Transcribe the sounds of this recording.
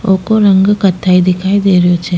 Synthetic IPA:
okoɾəŋɡkət̪ʰːaid̪ɪkʰaːid̪eːɾəjot͡ʃʰe

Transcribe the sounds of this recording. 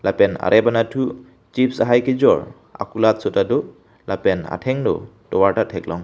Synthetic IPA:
lapɛna̰ɾʔɛbanatʰu | t͡ʃipsaɦajkid͡ʒɔɹ | a̰kulat̚sɔtadɔ | lapɛna̰tʰɛŋnɔ̰ | tɔwaɹtatʰɛk̚lɔŋ

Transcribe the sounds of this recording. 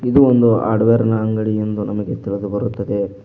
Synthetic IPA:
id̪uond̪ua̰ːɾɖʋeːɾɐnɐːŋɡɐɭiend̪unɐmɐɡe̞t̪iɭɐd̪ubɐɾut̪ːɐd̪e̞

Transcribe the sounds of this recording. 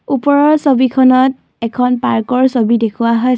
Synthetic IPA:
upɔɹɔɹsobikʰɔnɔt̚ | ɛkʰɔnpaɹkɔɹsobidekʰuwaɦɔj

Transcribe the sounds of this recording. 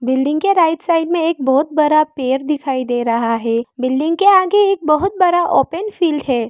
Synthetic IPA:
bɪlɖɪ̃ŋɡkeɾaːɪʈsaːɪlmẽeːk̚bɔːʊt̪̚bɐɾapeːɾd̪ɪkʰaːid̪eːɾɐɦaɦɛːbɪlɖɪ̃ŋɡkeaːɡeeːk̚bɐɦʊt̪̚bɐɾaʔoːpənfiːlɖɦɛː

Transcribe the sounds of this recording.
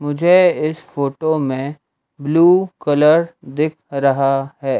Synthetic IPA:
mʊd͡ʒʱeɪsfoːʈomẽ | bluːkɐləɾd̪ɪkʰɾɐɦaɦɛː

